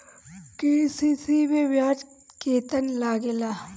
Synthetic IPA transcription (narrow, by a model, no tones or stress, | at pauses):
kisisibeʋjaːd͡ʒ | keːt̪ənlaːɡelaː